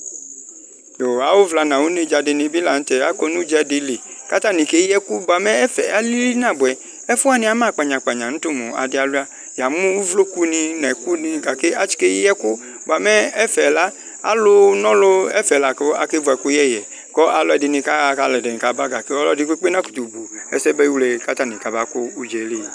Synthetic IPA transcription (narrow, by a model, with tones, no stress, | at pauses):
jo˨a˨˦wo˦vla˧nã˨wu˦ni˧˦d͡ʒa˧dɪ˧nĩ˧bi˦la˨n̩˦tɛ˨a˨˦kɔ˧nũ˦d͡ʒa˧dɪ˧le˨ka˦ta˦nĩ˨ke˦ɛ˦ku˦ba˨mɛ˦ɛ˦fɛ˨a˨˦li˦li˦nã˦˨bʊ˨ɛ˨ | ɛ˦fu˦a˦nĩ˦a˨˦mãː˦˨k͡pa˨ɲã˨k͡pa˨ɲã˨ñ̩˦tʊ˦mõ̰˨a̰˨dɪ˧˦a˨lʊ˦a˦ | ja˨mũ˦wu˦vlo˦ku˦nĩ˧nɛ˨ku˦nĩ˧ɡa˨ke˦a˨˦t͡ʃi̥˨ke˦jɛ˦ku˦ | ba˨mɛ˦ɛ˦fɛ˨la˦ | a̰˦lʊ˧nɔ˦lʊ˧ɛ˦fɛ˨la˨kɔ˦a̰˧ke˦vɔ˧˨ɛ˨ku˦jɛ˦˨jɛ˨ | kɔ˦ʔa˧lɔ˦ɛ˨dɪ˨˧nĩ˧ka˦˨ka˧˨lɛ˨dɛ˨ni˨ka˨˦ba˦ɡa˨kɔ˦lɔ˦di˧ke˦k͡pe˦nã˦ku̥˨tu˨bu˨ɛ˧sɛ˦bɛ˧˦i˦wlɛ˧˨ka˦ta˨nĩ˨ka˨˦ba˦ko˦u˦d͡ʒɛ˨˦le˦˨